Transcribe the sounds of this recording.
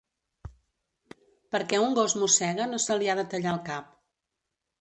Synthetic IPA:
pəɾkɛuŋɡozmusɛɣənosəliaðət̪əʎaəlˠkap̚

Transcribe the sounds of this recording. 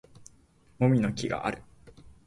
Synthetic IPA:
mo̞mʲino̞kʲiɡa̰ʔa̰ɾɯ̟

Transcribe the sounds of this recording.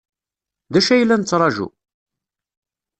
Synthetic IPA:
ðæʃæjlːænət͡sːɾˤɑʒṵ

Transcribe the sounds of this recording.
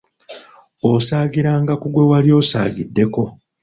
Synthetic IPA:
osaːɡiɾaːŋɡakuɡwe̞waljo̞ːsa̰ːɡidːe̞ko̞

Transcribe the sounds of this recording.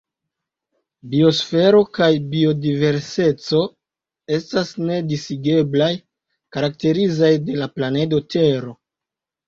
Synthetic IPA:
bio̞sfe̞ɾo̞kajbio̞dive̞ɾse̞t͡so̞ | e̞stasne̞disiɡe̞blaj | kaɾak̚te̞ɾizajde̞laplane̞do̞tʰe̞ɾo̞

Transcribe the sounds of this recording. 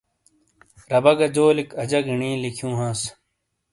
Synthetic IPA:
ɾɐbɐɡɐd͡ʑoːlikɐd͡ʑɐɡiɳĩːlikʰjũːɦãːs

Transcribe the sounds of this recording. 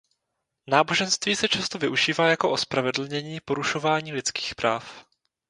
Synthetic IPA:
naːbo̞ʒɛnst̪viːsɛt͡ʃast̪ovɪʔuʒiːvaːjakoʔospɾavɛdl̩ɲɛɲiːpo̞ɾuʃo̞vaːɲiːlɪt͡ski̥ːxpɾaːf

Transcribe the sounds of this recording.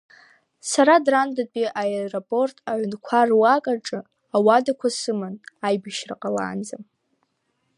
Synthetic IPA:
saɾadrandapʼiʔaeropʼo̞rtʼaʕʷnkʷʰarwakʼaʈ͡ʂʼɨ | awadakʷʰasɨmɨnajbaʃraqʼala̰ːnd͡zam

